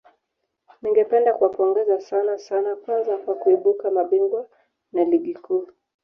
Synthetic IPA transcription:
niŋɡɛpɛndakuwapɔŋɡɛzasanasanakwanzakwakuiɓukamaɓiŋɡwa | naliɠikʰuː

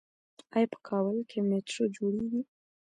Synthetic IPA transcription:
ɑjɑpə̥kʰɑbəlkʰemeʈɾod͡ʒoɽeɡi

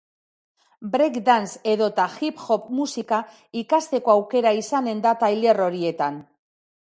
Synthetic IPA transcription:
bɾekd̪anse̞ðo̞t̪axipxo̞pmusika | ikast̪e̞ko̞awke̞ɾaisane̞nd̪at̪ajle̞ro̞ɾie̞t̪an

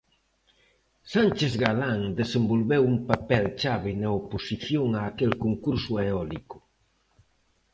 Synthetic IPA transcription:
sant͡ʃezɣalaŋd̪esembolβɛwumpapɛlt͡ʃaβenaoposiθjoŋaːkelkoŋkuɾsueɔlikʊ̥

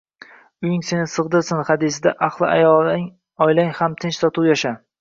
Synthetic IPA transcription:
ʊjɪŋse̞nɪsɨʁd̪ɨɾsɪnhad̪ɪs̬ɪd̪aʔaχlˠɪajɒlˠ | ɒjlaŋhamt̪ʰɪnt͡ʃsɒt̪ʰuwjaʃa

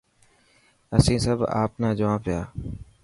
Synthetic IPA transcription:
əsĩːsəbʱa̰ːpnãːd͡ʒʊʋãːpɪjaː

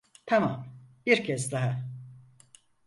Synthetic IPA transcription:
t̪ʰamamb̥iɾcʰɛzd̪aɦa

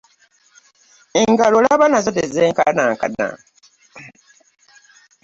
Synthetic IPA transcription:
eŋɡalolaaβanazatezeːŋkanaːŋka̰na̰

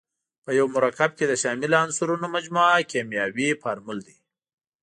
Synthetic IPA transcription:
pəjawmʊɾɑkab̚ked̪əʃɑmɪlansuɾunomad͡ʒmuakemjɑwipaɾmʊld̪i

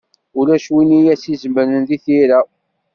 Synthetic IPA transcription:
ulæʃwinijæsizmənənðiθiɾæ

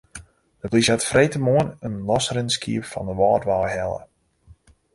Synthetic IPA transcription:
d̥əblisatfrejtəmoənənlɔsrɪnskḭəpfɔndəʋɔːtʋaːɦɛlˠə̰

